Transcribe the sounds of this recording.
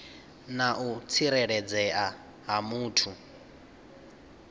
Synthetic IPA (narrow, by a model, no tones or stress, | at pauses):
naʔut͡sʰiɾɛɺɛd͡zɛʔa | ɦamuːtʰu